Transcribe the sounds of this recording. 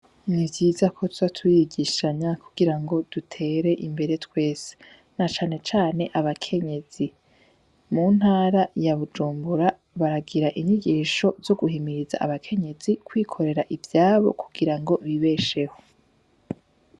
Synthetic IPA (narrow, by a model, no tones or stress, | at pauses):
nivjiːzakʰo̞tu̥atʰujiɡiːʃaɲakuɡiɾaŋɡo̞d̥utʰe̞ːɾe̞ʔimbe̞ɾe̞twe̞ːse̥ | nat͡ʃaːne̞t͡ʃaːne̞ʔaβakʰe̞ɲe̞z̥i | muːn̥haːɾajaβud͡ʒuːmbuɾa | βaɾaɡiɾaʔiɲiɡiːʃo̞zo̞ɡuɦimiɾiza̰ʔaβakʰe̞ɲe̞zikwiːkʰo̞ɾe̞ɾaʔivjaːβo̞̰ku̥ɡ̥iɾaŋɡo̞βiβe̞ʃeho̞